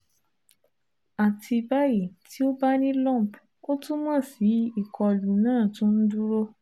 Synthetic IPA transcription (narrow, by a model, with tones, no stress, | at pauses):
a˨tʰi˧ba˦ji˨tʰi˨˦o˦ba˦nĩ˦lɔ̃˦˨p | o˦tũ˦mã˦˨si˨˦i˦˨kʰɔ˧lu˨nãː˦˨tũ˦n̩˦du˦ɾo˦